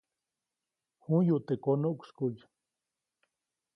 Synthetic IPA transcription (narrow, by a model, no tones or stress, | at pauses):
hujuʔt̪ekonuʔkʷskuj